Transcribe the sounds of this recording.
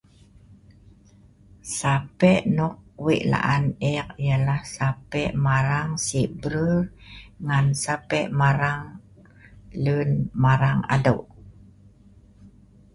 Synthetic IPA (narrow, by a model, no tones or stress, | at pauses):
sapɛʔnɔk̚wiʔla̰ʔanɛk̚jalahsapɛʔmaɾaŋsiʔbɾurŋansapɛʔmaɾaŋ | lunmaɾaŋa̰dowʔ